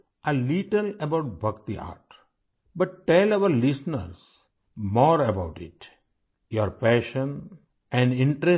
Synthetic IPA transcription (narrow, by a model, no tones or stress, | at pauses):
ʔəliʈələbaʊʈ̚bʱʌkt̪ia̰ːɾʈ | bɐʈːɛlaʋəɾlɪsnə̰ɾs | mɔːɾəbaʊʈɪ̰ʈ | joɾpɛːʃə̃n | ɛ̃ɳɖɪ̃ɳʈɾe